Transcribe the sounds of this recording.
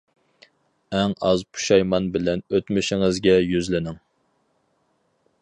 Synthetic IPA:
ɛŋɑzpʰu̥ʃɑjmɑnbɪlɛnøt̪mɪʃɪŋɨzɡʲɛjyzlɪnɪŋ

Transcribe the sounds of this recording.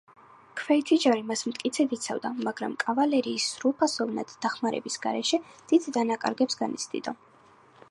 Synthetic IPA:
kʰvɛit̪ʰid͡ʒaɾimasmt̪ʼkʼit̪sʰɛd̪it̪sʰavd̪amaɡɾa̰mkʼavalɛɾiːsːɾulˠpʰasɔvna̰d̪̥d̪aχmaɾɛ̰bisɡa̰ɾɛʃɛd̪̥id̪d̪anakʼa̰ɾɡɛpsɡanit̪sʰd̪ḭd̪ɔ

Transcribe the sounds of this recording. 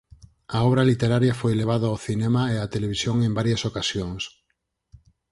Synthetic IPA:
aɔβ̞ɾɐlit̪eɾaɾjafojleβ̞aðoawθinɛmaeat̪eleβ̞isjoŋembaɾjɐsokasjoŋs

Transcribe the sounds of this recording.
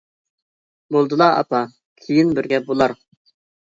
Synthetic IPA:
bolˠd̪ɨlˠɑɑ̰pɑ | kʲʰejɪnbɪɾɡʲɛbolˠɑɾ

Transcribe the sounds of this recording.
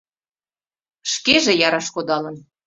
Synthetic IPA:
ʃkeʒĕjɑɾɑʃkod̪ɑlɤ̆n

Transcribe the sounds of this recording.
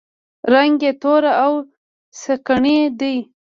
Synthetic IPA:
ɾaŋɡet̪oɾaaw | səkaɳed̪ij

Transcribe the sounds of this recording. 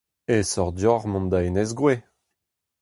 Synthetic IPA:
esɔʁdjɔʁmɔ̃nd̪aenɛzɡʁwe

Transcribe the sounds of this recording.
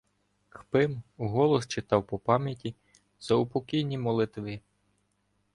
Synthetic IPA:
xpɪmuɦɔlˠɔst͡ʃɪt̪ɑwpɔpɑmʲjɐtʲi | z̥ɐʊpɔkʲijnʲimɔlˠɪt̪ʋɪ

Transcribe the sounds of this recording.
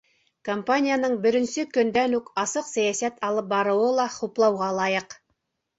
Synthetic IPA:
kompanʲijanɤɴbɵ̆ɾɘ̆nsɘkɵ̆nd̪ænʉkɑsɤqsæjæsæt̪ʰɑlˠɤp̚bɑɾŭwɤlˠɑχuplˠɑwʁɑlˠɑjɤq

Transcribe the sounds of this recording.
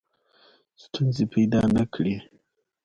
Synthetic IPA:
st̪unzepʰajd̪ɑnakʰɽi

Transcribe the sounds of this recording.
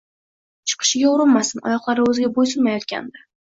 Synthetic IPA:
t͡ʃʰɨ̥qʰɨ̥ʃɪɡʲaʊɾɪnmasɪnɒ̰jɒqlˠaɾɪɵzɪɡʲabojsʊlmajɒt̪̚kʲa̰nd̪ɪ

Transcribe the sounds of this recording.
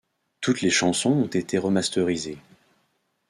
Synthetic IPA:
t̪ut̪leʃɑ̃sɔ̃ɔ̃t̪et̪ʰeʁəmast̪œʁize

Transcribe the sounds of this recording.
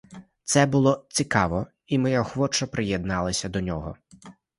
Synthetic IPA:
t̪sɛbʊlˠɔt͡sʲikɑʋɔ | imɪjɔxʋɔt͡ʃɐpɾɪjed̪nɑlˠɐsʲɐd̪ɔnʲɔɦɔ

